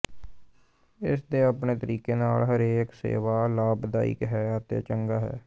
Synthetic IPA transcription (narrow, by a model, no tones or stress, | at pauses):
ɪsd̪eːaːpɳeːt̪əɾiːkeːnaːlɦəɾeːksḛːʋaːlaːbd̪aːḭkɦɛːət̪ḛt͡ʃəŋɡaːɦɛ̰ː